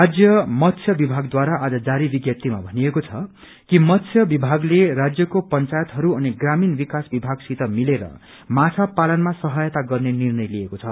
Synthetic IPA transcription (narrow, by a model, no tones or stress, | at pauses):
rad͡zjʌmʌt̪sʰjʌbibʱaɡd̪waɾaʔad͡zʌd͡zaɾibiɡjʌt̪ima̰bʱʌnijekot͡sʰʌ | kimʌt̪sʰjʌbibʱaɡlerad͡zjʌkopʌnt͡sajʌt̪ɦʌɾuʌniɡraminbikasbibʱaɡsit̪ʌmileɾʌ̰ | mat͡sʰapalʌnmasʌɦʌjʌt̪aɡʌrnenirnʌjlijekot͡sʰʌ